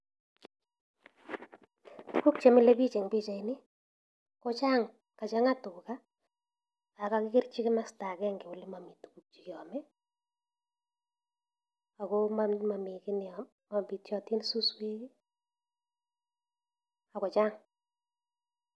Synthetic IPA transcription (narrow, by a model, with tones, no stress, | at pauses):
tu˨ku˦k̚t͡ʃe˨mɪ˦˨le˦bi˦t͡ʃe˨ŋbi˦t͡ʃa˨i˨nɪ˦ | kɔ˦t͡ʃa˦ŋ | ka˨t͡ʃa˦ŋa˦tʊ˨ka˦ | a˨ka˦kɪ˦kɪ˦rt͡ʃi˦kɪ˦ma˦sta˨kɛ˦ŋɡɪ˨ʊ˨lɪ˦ma˨mi˨tu̥˨ku˨k̚t͡ʃi˨kɪ˨ɔ˨mɛ˦ | a˨kɔmama˨mɪ˨kɪ˦n | ma˨bi˨tjɔ˨ti˦nsu˦swe˦ki˦ | a˨kɔ˨t͡ʃa˦ŋ